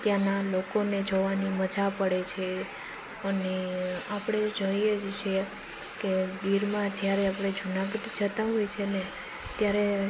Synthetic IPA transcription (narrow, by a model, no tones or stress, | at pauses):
t̪janalokoned͡ʒoʋaniməd͡ʒapəɽet͡ʃʰe | əneapɽ̃ed͡ʒoijed͡ʒt͡ʃʰe | kediɾmãd͡ʒjaɾeapɽ̃ed͡ʒʱunaɡəʈid͡ʒət̪aɦojt͡ʃʰene | t̪jaɾe